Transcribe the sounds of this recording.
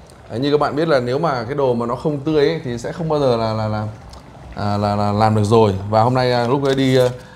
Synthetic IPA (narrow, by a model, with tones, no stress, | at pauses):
ʔə˨˩ɲɨ˧ka˦˥k̚ɓa̰ː˧˨ɓi˦˥ət̚laː˨˩ne˨˦wmaː˨˩kaː˨˦jɗo˨˩maː˨˩nɔ˨˦xə˧wŋ͡mt̪ɨ˧˦əjʔə˦t̪ʰi˨˩sɛ̰˧˥xə˧wŋ͡mɓaː˧wzəː˨˩laː˨˩laː˨˩laː˨˩ | ʔəː˨˩laː˨˩laː˨˩laː˨˩mɗɨ˨˩ək̚zo˨˩jvaː˨˩ho˧mna˧ja˨˩lʊ˦˥k͡p̚ə˨˦ɗi˧